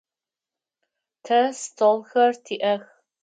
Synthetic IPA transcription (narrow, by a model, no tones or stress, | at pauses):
tʰɐstʰolxɐrtʰiːʔɐx